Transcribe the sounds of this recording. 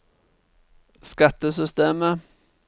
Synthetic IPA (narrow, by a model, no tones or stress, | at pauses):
skat̪ːəsʏst̪eːmə